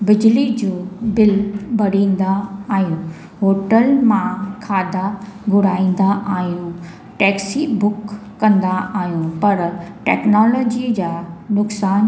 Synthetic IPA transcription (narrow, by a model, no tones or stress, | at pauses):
bɪd͡ʑlid͡ʑoːbɪlbʱɐɽĩːn̆d̪aaːɦijũ | ɦoːʈəlmãkʰaːd̪ʱaɡʊɽaːĩːn̆d̪aʔaːɦijũ | ʈɛːksibʊkː | ɐ̃nd̪aaːɦijũpɐɾʈɛ̰ːknɔːlɔːd͡ʑid͡ʑaːnʊksaːn